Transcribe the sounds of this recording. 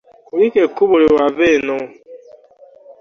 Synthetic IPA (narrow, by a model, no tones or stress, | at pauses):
kʊɾikekubʊɾiwabenʊ